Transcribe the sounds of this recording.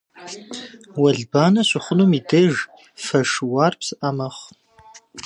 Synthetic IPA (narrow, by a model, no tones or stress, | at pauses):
wɐɮbaːnɐɕʷɪχʷʊnumideʒ | fɐʂwaːrpsɨʔɐmɐχ